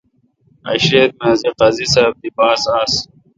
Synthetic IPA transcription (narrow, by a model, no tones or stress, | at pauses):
ɐ̰ɕeːɾ̚meziqɐzisɐːb̚d̪ibaːsaːs